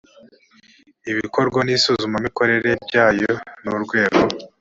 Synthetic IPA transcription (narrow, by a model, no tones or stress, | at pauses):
iβiko̞ɾɡwanisuzumamiko̞ɾe̞ɾe̞bɟaːjonuɾɡwe̞ːɡo